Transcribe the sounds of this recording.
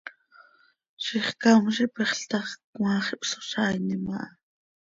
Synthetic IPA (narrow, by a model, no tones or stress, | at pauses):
ʃiχkamʃipiχɬt̪ɑχkwɑːχipso̥ʃɑːjnimɑ̰ʔɑ